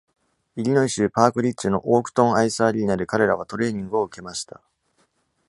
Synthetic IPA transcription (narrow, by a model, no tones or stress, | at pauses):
iɾʲinoiɕɨːpaːkɯ̟ɾʲit͡ɕːɨno̞ʔo̞ːkɯ̟̥t̪õ̞ɰ̃aisaːɾʲiinad̪ekaɾe̞ɾaβ̞at̪o̞ɾe̞ːɲ̟ĩŋɡɯ̟o̞ɯ̟ke̞maɕi̥t̪a̰